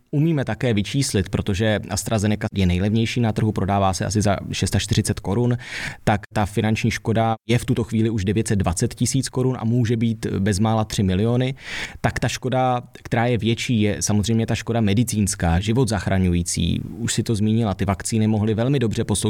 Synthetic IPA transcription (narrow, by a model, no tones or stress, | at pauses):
ʔumiːmɛt̪akɛːvɪt͡ʃiːslɪt̪pɾo̞t̪o̞ʒɛʔa̰st̪ɾazɛnɛkajɛnɛjlɛvɲɛjʃiːnat̪r̩ɦupɾo̞daːvaːsɛʔa̰s̬ɪza̰ʃɛst̪aʃt̪ɪr̝ɪt͡sɛt̪ko̞ɾunt̪akt̪afɪnant͡ʃɲiːʃko̞dajɛft̪ut̪o̞xviːlɪuʒdɛvjɛt̪sɛd̪̚dvat͡sɛt̪cɪsiːt͡sko̞ɾunʔa̰muːʒɛbiːt̪bɛzmaːlat̪r̝̥ɪmɪlɪo̞nɪt̪akt̪aʃko̞da | kt̪ɛɾaːjɛvjɛt͡ʃiːjɛsamozrɛjmɲɛt̪aʃko̞damɛdɪt͡siːnskaːʒɪvo̞t̪zaxɾaɲujiːt͡sḭːuʃsɪt̪o̞zmiːɲɪlat̪ɪvakt͡siːnɪmo̞ɦlɪvɛlmɪdo̞br̝ɛpo̞so